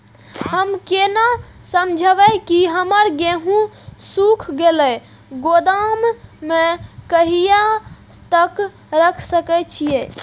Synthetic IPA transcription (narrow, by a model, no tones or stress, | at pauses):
həmkena | səmd͡ʒʱəʋɛkiɦəməɾɡeɦũ | sukʰɡelɛ | ɡod̪amːekəɦijat̪ək | ɾəkʰsəkɛt͡ʃʰije